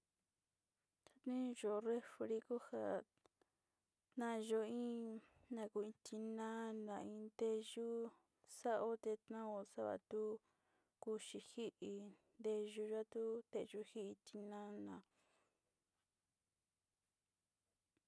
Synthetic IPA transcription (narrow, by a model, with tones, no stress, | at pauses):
t̪a˧t̪ĩ˦ʒo˧re˦fɾi˧ku˦ha˧˨ | t̪nã˦˧ʒo˧ĩ˦ | nã˧ku˧˨ĩ˧t̪i˧nã˦nã˨ĩ˧nd̪e˧ʒu˦ | sa˦ʔo˦t̪e˧t̪nã˦o˧sa˦βa̰˧˨t̪u˦ | ku˧ʃi˧hi˦ʔi˧nd̪e˧ʒu˧ʒa˦t̪u˦t̪e˧ʒu˧hi˦i˧t̪i˧nã˦nã˨